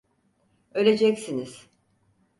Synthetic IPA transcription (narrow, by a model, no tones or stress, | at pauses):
ølʲe̞d͡ʒɛcsiniz̥